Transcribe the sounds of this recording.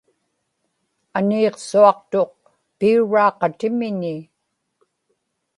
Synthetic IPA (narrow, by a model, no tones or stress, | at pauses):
aniːqsuɑqt̪o̞q̚ | piuɻɑːqɑt̪ɪmɪɲɪ